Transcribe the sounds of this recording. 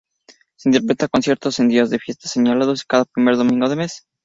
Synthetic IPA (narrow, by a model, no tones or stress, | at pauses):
seint̪eɾpɾet̪akonsje̞ɾt̪osend̪iazðe̞fje̞st̪ḁseɲalaðoskaðapɾime̞ɾðomĩŋɡoð̞eme̞s